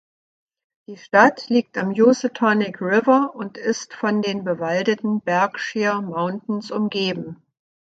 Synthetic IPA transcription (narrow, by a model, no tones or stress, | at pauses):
d̥iːʃtatliːk̚tamjusɪtʰɔnɪkʁɪvɐʔʊntɪstfɔndeːnbəvaldətn̩bɛɐkʃeːɐmaʊntn̩sʊmɡeːbm̩